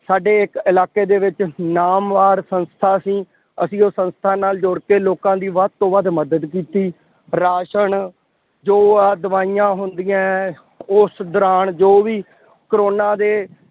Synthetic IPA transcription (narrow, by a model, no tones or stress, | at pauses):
saːɖeːɪkɪlaːkeːd̪eːʋɪt͡ʃnaːmʋaːɾsənst̪ʰaːsĩː | əsĩːosə̃nst̪ʰaːnaːld͡ʒoːɽkeːloːkãːd̪iːʋəd̪̚t̪õːʋəd̪məd̪əd̪kiːt̪iː | ɾaːʃəɳ | d͡ʒoːd̪əʋaːiːjãːɦʊnd̪ijãː | ʊsd̪əɾaːɳd͡ʒoːʋiː | kɾoːnaːd̪eː